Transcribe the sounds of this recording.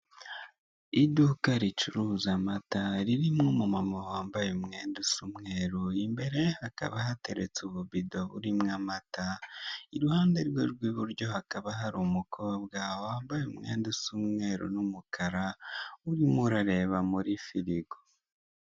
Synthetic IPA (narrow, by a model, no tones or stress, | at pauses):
idukaɾit͡ʃuɾuzamataɾiɾimŋomumamahaːmbajemŋe̞ːndusumŋeːɾuimbe̞ɾe̞haka̰βaɦate̞ɾet͡suβuβido̞uɾimŋamataiɾuhaːnde̞ɾweɾɡwiːβuɾɟo̞hakaβaɦaɾumukʰo̞ːbɡawaːmbajeumŋe̞̰ːndusumŋe̞ːɾṵnumukʰaɾauɾimuɾaɾe̞βamuɾifiɾiɡo